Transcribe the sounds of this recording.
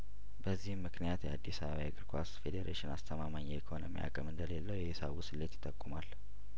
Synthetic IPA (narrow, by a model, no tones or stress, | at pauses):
bəzːihmːɨknijat̪jɛa̰d̪ːisəβəβajaɡɨɾkʰʷasfe̞d̪eɾʔeʃɪnast̪ʰəmamaɲjɛikʰonomḭja̰kʼəmɨnd̪əle̞lːəwjɛhɪsa̰βusɨlːet̪jɪt̪ʼːəkʼːumal